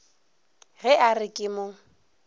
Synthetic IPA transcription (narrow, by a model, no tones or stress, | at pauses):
ɣɛʔarɪkʼɪmʊ